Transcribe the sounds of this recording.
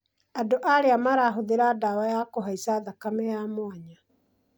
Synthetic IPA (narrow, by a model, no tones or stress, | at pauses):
adoʔaɾeamaɾaɦoðeɾadawajakoɦaisaðakamɛjamwaɲa